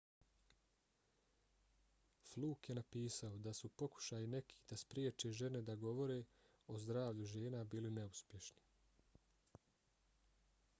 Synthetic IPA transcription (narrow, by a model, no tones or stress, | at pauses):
flˠuːkje̞napiːsao̞d̪asupo̞ku̥ʃaːjine̞kʰi̥ːd̪̥aspɾjeːt͡ʃe̞ʒe̞ne̞d̪aɡo̞ʋo̞ɾe̞ː | o̞zd̪ɾaːʋʎuʒe̞ːnabiːline̞uspje̞ʃni̥